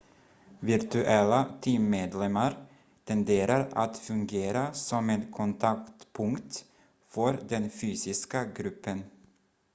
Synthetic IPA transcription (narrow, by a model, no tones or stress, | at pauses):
vɪɾt̪ʉʔɛlːat̪ʰiːmːeːd̪lɛmːaɾ | t̪ʰɛnd̪eːɾaɾa̰t̪fɵŋɡeːɾasɔmɛnkʰɔnt̪ʰakt̪pʰɵŋkt̪ | fœɾd̪ɛnfyːsɪskaɡɾʉpʰːən